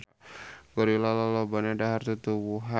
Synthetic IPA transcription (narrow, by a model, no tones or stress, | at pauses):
ɡɔɾilalɔlɔbanadaɦart̪ut̪uwuɦa